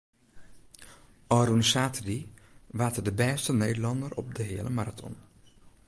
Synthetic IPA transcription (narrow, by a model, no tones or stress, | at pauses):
ɔɾunsaːtədiʋaːtədəbɛːstəneːdəlɑndərɔp̚dəɦɪːəlʔəmaɾatʰɔ̰n